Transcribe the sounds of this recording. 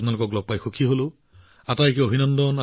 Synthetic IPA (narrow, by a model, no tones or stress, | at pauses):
pnalʊkɔklɔk̚pajxukʰiɦolʊ | atajkeobʱinɔndɔna